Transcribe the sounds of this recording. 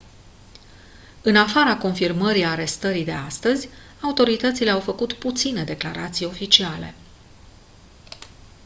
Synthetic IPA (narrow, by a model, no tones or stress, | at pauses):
ɨnafaɾako̞nfirməɾiaɾe̞st̪əɾid̪e̞ast̪əzʲ | aut̪o̞ɾit̪ət̪sile̞awfəkut̪put̪sine̞d̪e̞klaɾat̪sijo̞fit͡ʃiale̞̰